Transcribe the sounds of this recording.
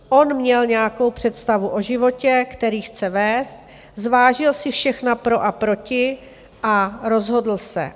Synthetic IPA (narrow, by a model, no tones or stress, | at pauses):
ʔo̞nmɲɛlɲɛjako̞wpr̝̥ɛt̪st̪avuʔo̞ʒɪvo̞cɛkt̪ɛɾiːxt͡sɛvɛːst̪̚ | zvaːʒɪlsɪfʃɛxnapɾo̞ʔapɾo̞cɪ | ʔaɾo̞zɦo̞dl̩sɛ̰